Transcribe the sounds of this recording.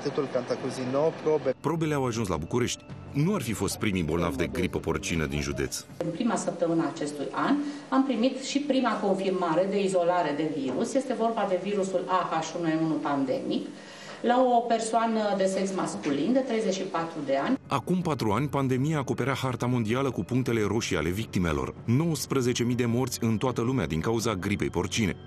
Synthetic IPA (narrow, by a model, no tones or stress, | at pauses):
t̪it̪ulkant̪akuzinopɾobepɾo̞be̞le̞awaʒuns̬la̰bukuɾe̞ʃt̪ʲ | nuarfifo̞st̪̚pɾimibo̞lna̰vd̪e̞ɡɾipəpo̞rt͡ʃinə̰d̪ḭnʒud̪et̪s | ɨnpɾimasəp̚t̪əmɨnəaːt͡ʃe̞st̪ujan | ampɾimit̪ʃipɾimako̞nfirmaɾe̞d̪e̞izo̞laɾe̞d̪e̞viɾusje̞st̪e̞vo̞rbad̪e̞viɾusulakaʃunueunupand̪e̞mik | lao̞pe̞rsoanəd̪e̞se̞nsmaskulind̪e̞t̪ɾe̞jze̞t͡ʃʃipat̪ɾud̪e̞anʲakumpat̪ɾuanʲpand̪e̞mijaːko̞pe̞ɾahart̪amo̞nd̪ialəkupuŋk̚t̪e̞le̞ɾo̞ʃia̰le̞vik̚t̪ime̞̰lo̞̰rno̞wəspɾəze̞t͡ʃe̞mid̪e̞mo̞rt̪sʲɨnt̪oat̪əlumea̰d̪iŋkauzaɡɾipe̞jpo̞rt͡ʃine̞̰